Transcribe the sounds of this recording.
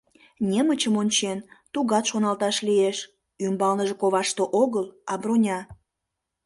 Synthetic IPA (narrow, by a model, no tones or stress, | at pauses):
nʲemət͡ɕəmonʲt͡ɕent̪uɣɑt̪ʃonɑlt̪ɑʃlieʃ | ymbɑlnəʒekoβɑʃt̪oʔoɣəlɑbronʲɑ